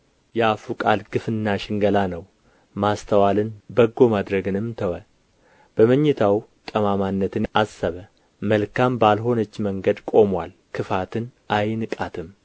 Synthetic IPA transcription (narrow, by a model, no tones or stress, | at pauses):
jɛafukʼalɡɨfɨnːaʃɪŋɡəlanəw | mast̪ʰəwalɨnbəɡːo̞mad̪ɾəɡɨnɨmt̪ʰəwə | b̥əməɲːɪt̪ʰawt̪ʼəmamanːət̪ʰɨnasːəβə | məlkʰambalɦo̞nət͡ʃːməŋɡəd̪kʼo̞mwal | kʰɨfat̪ʰɨnʔajnɨkʼat̪ʰɨm